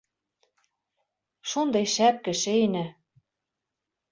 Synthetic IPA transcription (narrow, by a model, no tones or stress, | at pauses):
ʃond̪ɤjʃæp̚kɘ̆ʃenæ